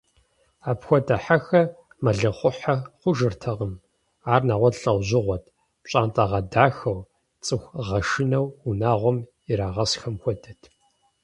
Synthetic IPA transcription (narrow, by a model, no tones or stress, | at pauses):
aːpxʷɔdʼɐħaxɐ | mɐɮɨχʷʊħaχʷʊʒɨrtʰɐqəm | aːrnaːʁʷɔtɬʼɐwʑɪʁʷɔtʰ | ɕʼaːntʼɐʁɐdaːxɐw | t͡sʼɨxʷʁɐʃɪnɐwunaːʁʷɔm | ɪɾaːʁɐsxɐmxʷɔdɐtʰ